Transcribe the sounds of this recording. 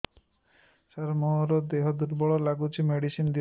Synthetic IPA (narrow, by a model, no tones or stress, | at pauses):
saɾmɔɾɔd̪eɦɔd̪uɾbɔɭɔlaɡut͡ʃʰimeɽisind̪i